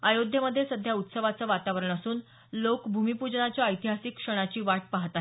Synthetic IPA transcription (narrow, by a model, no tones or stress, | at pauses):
ajod̪ʱjəməd̪ʱːjesəd̪ʱjaut̪səʋat͡səːʋat̪aʋɾəɳəsuːn | lokbʱumipud͡ʑɳat͡ɕjaəjt̪iɦasikːʂəɽ̃at͡ɕiːʋaʈ̚paɦt̪a